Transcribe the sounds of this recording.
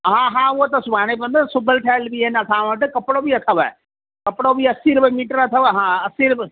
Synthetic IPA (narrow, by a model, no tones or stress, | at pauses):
ɦãːɦãːʊɦot̪ɐsʊbʱaːɽ̃epɐ̃nd̪osʊbʱəlʈʰaːlbiɪnɐt̪ʰãːʋɐʈɨkɐpɪɽobiɐt̪ʰəʋae | kɐpɽobiɐsiːɾbɪmiːʈəɾɐt̪ʰəʋɦãɐsiːɾb